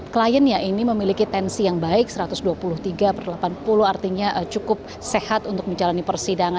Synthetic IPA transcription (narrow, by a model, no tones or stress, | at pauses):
klajənjaʔiniməmilikit̪ɛnsijaŋbaɪk̚səɾat̪ʊsduapulʊht̪iɡapərlapanpulʊhart̪iɲaʔt͡ʃukʊp̚ | sehat̪unt̪ʊk̚məɲd͡ʒalanipərsidaŋa